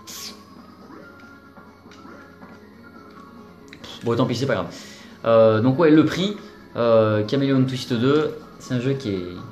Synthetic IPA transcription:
bʁot̪ɑ̃pisɛpaɡʁav | ød̪ɔ̃kwɛləpχi | økʲamelont̪wist̪əd̪ø | sɛ̥t̪ɛ̃ʒøkʲiɛ

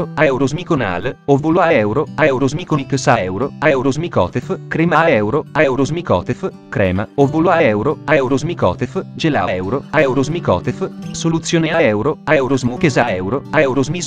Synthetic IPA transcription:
aɛwɾozmikona̰ːlovulwaɛwɾoaɛwɾozmikoniksaɛwɾoaɛwɾozmikɔ̰ːt̪efkɾemaɛwɾoaɛwɾozmikɔ̰ːt̪ef | kɾɛ̰ːmaovulwaɛwɾoaɛwɾozmikɔ̰ːt̪efd͡ʒela̰ɛwɾoaɛwɾozmikɔ̰ːt̪efsolut̪sːjoːneaɛwɾoaɛwɾozmukezaɛwɾoaɛwɾozmi

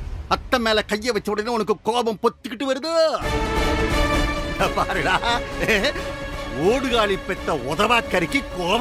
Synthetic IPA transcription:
ɐt̪ːɐmeːlɐkɐjːɐʋɐt͡ʃːɐʋɯɽɐðɪnɐɔnɐkːɯkoːbɐmpɔt̪ːɯkːɪʈːɯʋɐɾɯðɯ | ɐpaːɾɯŋɐɭaː | oːɽɯɣaːɭipːɛt̪ːɐɔðɐʋaːkːɐɾɪkːikoːb

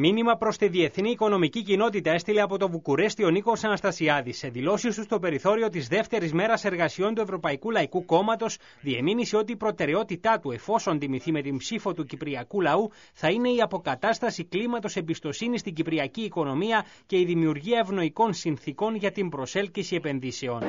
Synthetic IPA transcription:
minimɐpɾo̞st̪iðie̞θniːko̞no̞micicino̞t̪̬it̪ɐe̞st̪ile̞ɐpo̞t̪o̞vukuɾe̞st̪io̞niko̞sɐnɐst̪ɐsiɐðisːe̞ðilo̞sist̪ust̪o̞pe̞ɾiθo̞ɾio̞t̪izðe̞ft̪e̞ɾizme̞ɾɐse̞ɾɣɐsio̞nt̪ue̞vɾo̞pɐikulɐikuko̞mɐt̪o̞s | ðie̞minisio̞t̪iːpɾo̞t̪e̞ɾe̞o̞t̪it̪ɐt̪ue̞fo̞so̞nt̪imiθime̞t̪impsifo̞t̪ucipɾiɐkulɐu | θɐine̞iɐpo̞kɐt̪ɐst̪ɐsiklimɐt̪o̞se̞bist̪o̞sinist̪iɲɟipɾiɐciːko̞no̞miɐ | ce̞iðimiuɾʝiɐevno̞iko̞nsinθiko̞nʝɐt̪imbɾo̞se̞lcisie̞pe̞nðise̞o̞n

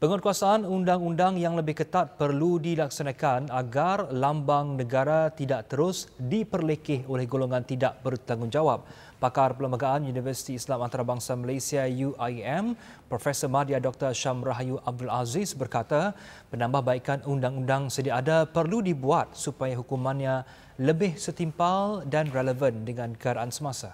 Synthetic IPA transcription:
pəŋɔt̪̚kuasaʔanundaŋundaŋjaŋləbɪhkət̪at̪̚pərludilaksanãkanaɡarlambaŋnə̃ɡaɾat̪idaʔt̪əɾʊsdipərlekɪholɛhɡoloŋãnt̪idaʔbərt̪aŋʊŋd͡ʒawap̚ː | akarpələmbaɡaʔanjunivərsi̥t̪iːslamant̪aɾabaŋsaməlasiajuʔaɛm | pɾofɛsəmadiadɔk̚t̪ərʃamraɦjuʔab̚dulazisbərkat̪a | pənãmbahbaikanundaŋundaŋsədiaadapərludibuat̪̚supajaɦukumãnɲa | ləbɪhsət̪impaldanrɛləvəndəŋãnkəaɾaʔansəmãsa

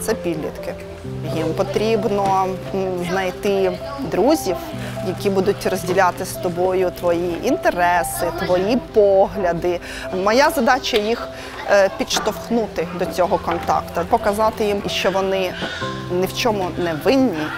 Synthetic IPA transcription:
t̪sɛpʲid̪lʲḭt̪kɪ | jimpɔt̪ɾʲibnɔ | znɐjt̪ɪ | d̪ɾuzʲiw | jɐkʲibud̪ʊtʲrɔzʲdʲilʲat̪ɪst̪ɔbɔjʊt̪ʋɔjiʔint̪eɾɛsɪt̪ʋɔjipɔɦlʲɐd̪ɪ | mɐjazɐd̪ɑt͡ʃɐjix | pʲit̪ʃt̪ɔwxnut̪ɪd̪ɔt͡sʲɔɦɔkɔnt̪ɑ̰kt̪ʊpɔkɐzɑt̪ɪjimiʃt͡ʃɔʋɔnɪ | nɪwt͡ʃɔmʊnɛʋɪnʲːi

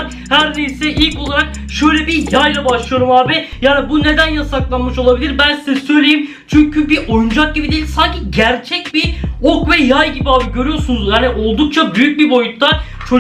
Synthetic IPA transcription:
ɾ | hæɾnejisɛʔilʲcʰo̞lˠaɾak̚ | ʃø̞jlʲɛbijajlˠabaʃlˠɯjo̞ɾumaːbɪjaːnibune̞d̪ænjasaklˠanmɯʃo̞lˠabilʲiɾbænsizɛsø̞jlʲejim | t͡ʃʰyɲcʰybiʔo̞jund͡ʒak̚ɟibid̪eilʲsaɲcʰiɟæɾt͡ʃʰɛc̚biokvɛjajɟibiaːbiɟø̞ɾyjo̞sunuzjaːniʔo̞lˠd̪uk̚t͡ʃʰabyjyc̚bibo̞jut̪ʰːa | t͡ʃʰo

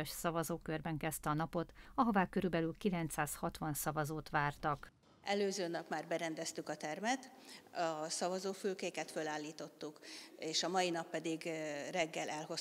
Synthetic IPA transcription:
ɒʃsɒvɒzoːkørbɛŋkɛst̪ɛɒnɒpo̞t̪ɒɦovaːkøɾybɛlylkilɛnt̪saːshɒt̪ʋɒnsɒvɒzoːt̪ʋaːrt̪ɒk | ɛløːzøːnɒpmaːrbɛɾɛnd̪ɛst̪ykɒt̪ɛrmɛt̪ | ɒsɒvɒzoːfylkeːkɛt̪følaːlːiːt̪o̞t̪ːukeːʃɒmɒjinɒpːɛd̪iɡrɛɡːɛlɛlɦo̞s

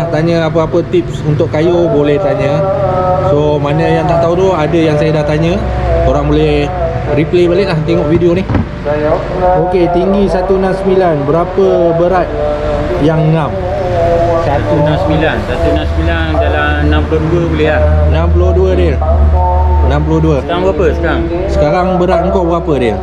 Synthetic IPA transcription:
ht̪aɲəapəapət̪ip̚sunt̪ʊʔkːajobolɛht̪aɲə | somanəjaŋt̪aʔt̪aud̪oadəjaŋsajadaht̪aɲə̃ | oɾaŋbolɛh | riplebalɪʔlaht̪eŋɔʔvidionih | oket̪iŋɡisat̪unãmsəmilanbəɾapəbəɾat̪̚ | jaŋnam | sat̪unãmsəmilansat̪unamsəmilandalanãmpulohduəbulehaənãmpuloduədiə | ənãmp̬ulohduəəkaɾaŋbəapəsə̥kaɾaŋ | sə̥kaɾaŋbəɾat̪̚ŋkoʔbəɡapədiə

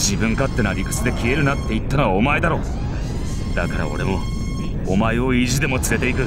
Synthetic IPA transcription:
d͡ʑibɯ̟̃ŋkat̪ːe̞naɾʲikɯ̥t͡sɨd̪e̞kʲie̞ɾɯ̟nat̪ːe̞it̪ːanoβaomaed̪aɾo̞ː | d̪̥akaɾa̰o̞̰ɾe̞mo̞ | omaeo̞iʑid̪e̞mo̞t͡sɨɾe̞t̪e̞ik̬ɯ̟

